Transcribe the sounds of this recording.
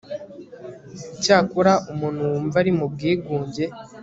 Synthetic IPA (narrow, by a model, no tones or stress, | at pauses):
caːkuɾaʔumunhuwumvaɾimub̚ɡiːɡuːɲɟe̞